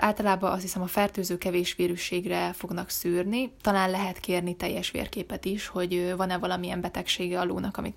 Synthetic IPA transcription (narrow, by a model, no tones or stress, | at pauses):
ʔaːlt̪ɒlaːbɒʔɒst̪hisɛmɒfɛrt̪øːzøːkɛveːʃʋeːɾyʃeːɡrɛfo̞ɡn̪ɒksyːrnit̪ɒlaːnlɛɦɛt̪keːrnit̪ɛjːɛʃʋḛːrkeːpɛt̪iʃho̞ɟvɒnɛvɒlɒmiɛmbɛt̪ɛkʃeːɡɛɒlo̰ːnɒkɒmḭt̪